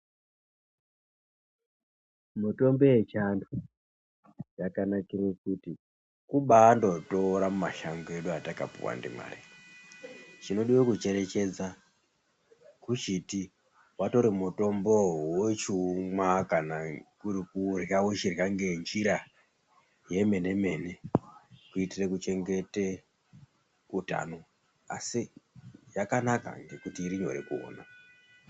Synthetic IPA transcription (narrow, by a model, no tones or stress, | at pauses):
muto̞mbe̞et͡ʃandu | jakanakirekuti | kuɓaːndo̞toɾamumaʃaŋɡoeɗuataka̰pṵwa̰ndḭmwa̰ːri | t͡ʃino̞ɗiwekut͡ʃe̞ɾe̞t͡ʃe̞d͡za | kut͡ʃiti | wato̞ɾimuto̞mbo̞wot͡ʃumwakanakurikurjawet͡ʃirjaŋɡe̞nd͡ʒiɾa | je̞me̞ne̞me̞ne̞ | kuitirekut͡ʃe̞ŋɡe̞te | uta̰no | a̰sijakanaka̰ŋɡe̞kutiːɾiɲo̞̰ɾe̞kuo̰ːna̰